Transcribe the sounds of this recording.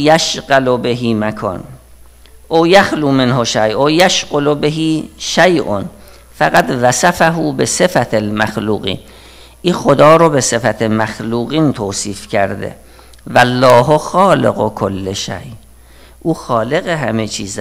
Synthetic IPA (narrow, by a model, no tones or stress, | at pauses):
jæʃɢælobeɦiːmækʰɒ̰ːn | ʔowjæxluːmenɦoʃæjʔojæʃɢolobeɦiːʃæjʔo̰n | fæɣæd̪væsæfæɦuːbesefæt̪ʰelmæxluːɣḭːn | ʔiːxod̪ɒːɾobe̞se̞fæt̪ʰemæxluːɣiːnt̪ʰoːsiːfcʰæɾd̪ḛ | vælːɒːɦoxɒːlḛɣokʰolːeʃæ̰j | ʔuːxɒːle̞ɣeɦæmet͡ʃʰiːz